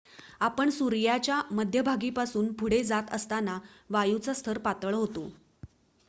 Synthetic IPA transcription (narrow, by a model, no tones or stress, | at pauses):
apəɳsuɾjat͡ɕjaməd̪ʱjəbʱaɡiːpasuːnbʱuɽed͡zat̪əst̪anaʋajut͡sast̪ʰəɾpat̪əɭɦot̪o